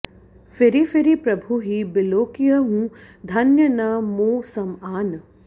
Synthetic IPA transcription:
fɪɾifɪɾipɾɐbʱuɦibɪloːkijɐɦũ | d̪ʱɐnjɐnɐmoːsɐmaːn

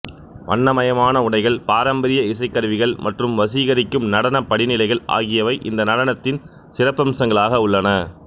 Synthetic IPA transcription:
ʋɐ̰ɳːɐmɐjɐmaːnɐʊɳɐɪɣɐɭpaːɾɐmbɐɾɪjɐɪsɐɪkːɐɾʋɪɣɐɭmʔɐʈrɯmʋɐsiːɣɐɾɪkːɯmnɐɽɐnɐpːɐɽɪnɪlɐɪɣɐɭa̰ːɣɪjɐʋɐɪʔɪnd̪ɐnɐɽɐnɐt̪ːɪn | sɪrɐpːɐmsɐŋɡɐɭaːɣɐʊɭːɐnɐ

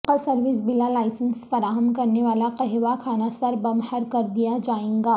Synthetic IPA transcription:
qasɐɾʋɪsbɪlalaːɪsə̃nsfɐɾaːɦəmkɐɾneʋaːlaqɐɦʋakʰaːnasɐɾbɐmhəɾkɐɾd̪ijad͡ʒaːẽɡaː

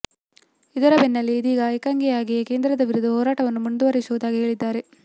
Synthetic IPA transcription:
id̪ɐɾɐbɛnːɐlːiːd̪iːɡɐɐjkaːŋɡijaːɡijeke̞ːnd̪ɾɐd̪ɐʋiɾud̪uɦɔːɾaːʈɐʋɐnːumund̪uʋɐɾisuʋud̪aːɡiɦe̞ːɭid̪ːaːɾe̞

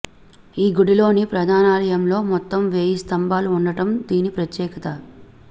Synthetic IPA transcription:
iːɡuɽilo̞ːnipɾɐd̪ʱaːnaːlɐjɐmlo̞ːmɔt̪ːɐmʋeːjist̪ɐmbaːluːɳɖɐʈɐmd̪iːnipɾɐt̪jɛːkɐt̪ɐ

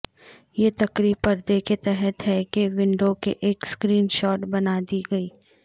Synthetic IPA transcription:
jet̪ɐkɾiːpɐɾd̪eket̪ɛɦɛt̪ɦɛkeʋɪ̃ɳɖokeʔeːkskɾiːnʃɔːʈbɐnad̪iɡɐiː

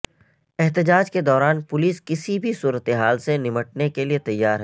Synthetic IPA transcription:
ɛɦt̪ɪd͡ʒaːd͡ʒked̪ɔːɾaːnpʊliːskɪsibʱisuːɾət̪eɦaːlsenɪməʈ̚nekeliet̪ɐjːaːɾɦɛ

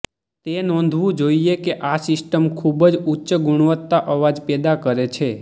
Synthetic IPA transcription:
t̪enɔ̃nd̪ʱʋũd͡ʒoiekeʔasɪsʈəmkʰubəd͡ʒutːt͡ʃəɡuɳ̃ʋət̪ːaʔəʋad͡ʒpɛd̪akəɾet͡ʃʰe

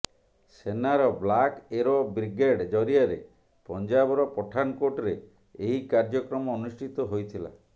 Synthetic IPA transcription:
senaɾɔblakeɾɔbɾiɡeɽd͡ʒɔɾiaɾe | pɔnd͡ʒabɔɾɔpɔʈʰankoʈɾeː | ɦikaɾd͡ʒɔkɾɔmɔːnusʈʰit̪ɔɦojt̪ʰila̰

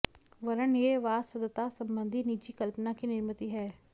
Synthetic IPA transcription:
ʋəɾənjeːʋaːswəd̪ət̪aːsəmbənd̪ʱiːniːt͡ʃiːkəlpnaːkiːnɪɾmət̪iːɦɛː

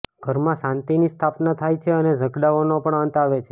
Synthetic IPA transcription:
ɡ̥ʱəɾmãʃãnt̪inist̪ʰapnat̪ʰajt͡ʃʰeəned͡ʒəɡɽaonopəɳənt̪aʋet͡ʃʰe̥

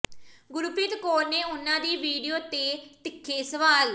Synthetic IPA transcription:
ɡʊɾupɪt̪koːɾneːʊnãːd̪iːʋiːɖijoːt̪eːt̪ɪkʰːeːsəʋaːl

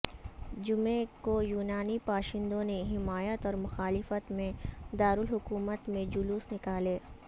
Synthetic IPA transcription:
d͡ʒʊmẽkojuːnaːnipaːʃɪ̃nd̪õneɦɪmaːjət̪ɔːɾmʊxaːlɪfət̪mẽd̪aːɾʊlɦʊkuːmət̪mẽd͡ʒʊluːsnɪkaːleː

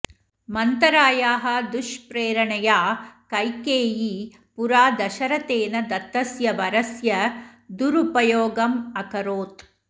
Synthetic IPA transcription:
mɐnt̪ɐɾaːjaːɦɐ̆d̪uʃpɾeːɾɐɳɐjaːkɐjkeːji | puɾaːd̪ɐʃɐɾɐt̪eːnɐd̪ɐt̪ːɐsjɐʋɐɾɐsjɐd̪uɾupɐjoːɡɐmɐkɐɾoːt̪

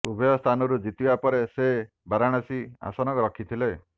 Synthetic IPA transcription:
ubʱɔjɔst̪ʰanɔɾud͡ʒit̪ibapɔɾese | baɾaɽ̃asia̰sɔnɔkɔɾɔkʰit̪ʰile

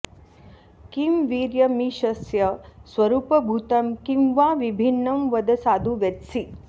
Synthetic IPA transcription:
kimʋiːɾjɐmiʃɐsjɐsʋɐɾuːpɐbʱut̪ɐmkimʋaːʋibʱinːɐmʋɐd̪ɐsaːd̪ʱuʋet̪si

